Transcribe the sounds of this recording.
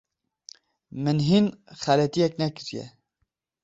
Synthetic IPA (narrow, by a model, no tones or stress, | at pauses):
mɨnɦinxælɛt̪ijɛknɛkɨɾijɛ̰